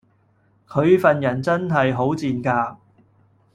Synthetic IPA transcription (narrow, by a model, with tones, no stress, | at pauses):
kʰɵ˨˧ɥfɐ˨njɐ˨˩nt͡sɐ˥nɦɐ˨jɦo˨˥wt͡siː˨nkaː˧